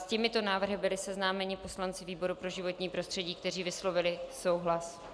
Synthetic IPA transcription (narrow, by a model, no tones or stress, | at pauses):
scɛmɪt̪o̞naːvr̩ɦɪbɪlɪsɛznaːmɛɲɪpo̞slant͡sɪviːbo̞ɾupɾo̞ʒɪvo̞t̪ɲiːpɾo̞st̪r̥ɛɟiːk̚t̪ɛriːvɪslo̞vɪlɪso̞wɦlas